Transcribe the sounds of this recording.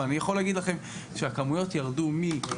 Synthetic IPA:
anijaχo̞leaɡid̪laχe̞m | ʃeakamujo̞tjaʁdumi

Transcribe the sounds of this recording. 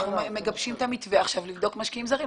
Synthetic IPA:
umeɡabʃimt̪amitveaχʃavlivd̪o̞kmaʃkiimzaʁi

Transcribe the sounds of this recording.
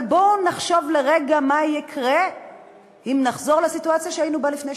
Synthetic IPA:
bonaχʃo̞vleʁeɡamajikʰʁe | imnaχzo̞ʁlesituat͡sjaʃeainubalifne

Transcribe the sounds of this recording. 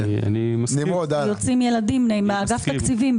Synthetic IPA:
a̰nimɐnimod̪ajot͡simjelad̪imnemeaɡaft̪akt͡sivim

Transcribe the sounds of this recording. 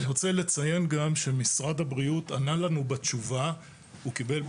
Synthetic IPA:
niʁot͡sele̞t͡saje̞nɡamʃe̞misʁad̪habʁiutanalanubet͡ʃuva | ukibe̞l

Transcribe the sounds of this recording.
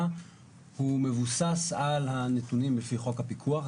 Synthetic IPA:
hume̞vusasalhanetunimblefiχo̞khapikʰuaχ

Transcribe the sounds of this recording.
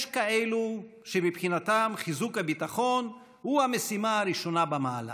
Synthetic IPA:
ʃkae̞luʃemipχinat̪amχizukhabit̪aχo̞n | huame̞simaaɾiʃo̞nabamaːla̰

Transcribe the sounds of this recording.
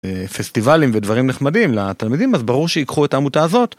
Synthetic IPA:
fest̪ivalimvedvaʁimneχmadimlat̪almid̪imazbaʁuʁʃeikχuetaːmutaːzo̞t

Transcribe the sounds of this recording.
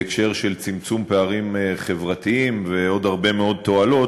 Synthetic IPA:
ekʃe̞ʁʃelt͡simt͡sumpeaʁimeχe̞vʁat̪iimveo̞d̪haʁbe̞meo̞d̪̚t̪o̞alo̞

